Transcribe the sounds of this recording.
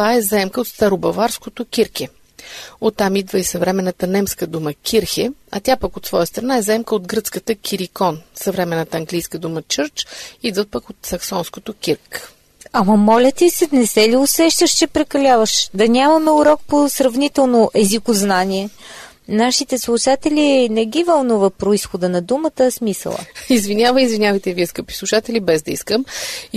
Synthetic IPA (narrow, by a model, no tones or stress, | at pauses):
t̪vaɛzaɛmkəot̪st̪aɾobɐvaɾskot̪okʲiɾkɛ | ot̪ːamid̪vəisɐvɾɛmɛnːət̪ənɛmskəd̪uməkʲʰiɾxɛɐ̰t̪ʲjapəkot̪svɔjəst̪ɾɐnaɛzɛmkəot̪ɡɾɤt̪skət̪əkʲʰiɾikɔnsɐvɾɛmɛnːət̪əːŋɡlijskəd̪umət͡ʃɤɾt͡ʃid̪vəpəkot̪sɐksɔnskot̪okʲiɾk | ɐmɐmɔlʲət̪iisɛnɛsɛliʊsɛʃt̪əʃt͡ʃɛpɾɛkɐlʲavəʃd̪ɐnʲamɐmɛuɾɔk̚posɾɐvnit̪ɛlˠnoʔɛzikoznaniɛ | naʃit̪ɛslˠuʃat̪ɛlʲinɛɡʲivɐlˠnuvəpɾoisxod̪ənɐd̪umət̪əsmisə̰lˠə̰izvinʲjavəizvinʲavɐjt̪ɛviɛskəpi̥slˠuʃat̪ɛlibɛzd̪ɐiskəm